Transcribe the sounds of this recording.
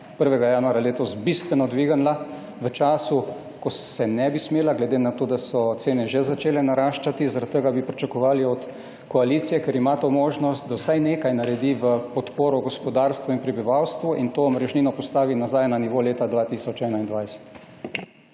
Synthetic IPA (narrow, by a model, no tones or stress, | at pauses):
pəɾʋɛɡajaːnuaɾjaleːt̪ɔsbist̪ʋɛnɔd̪ʋiːɡanla | ʋət͡ʃaːsu | kɔsɛnɛbismeːlaɡlɛd̪enat̪oːd̪asɔt̪seːnɛʒɛzat͡ʃeːlɛnaɾaʃt͡ʃat̪izaɾat̪ːəɡabipɾit͡ʃakɔʋaːliɔt̪ | kɔaliːt̪sijɛkɛɾimat̪omoːʒnɔst̪̚d̪awsajneːkajnaɾɛd̪iʋəpɔt̪poːɾɔɡɔspɔd̪aːɾst̪ʋuinpɾɛbiʋawst̪ʋuʔint̪oːmɾɛʒninɔpɔst̪aːʋinazajnaniʋoːleːt̪ad̪ʋaːt̪iːsɔt͡ʃɛːnaind̪ʋajsɛ̥t̪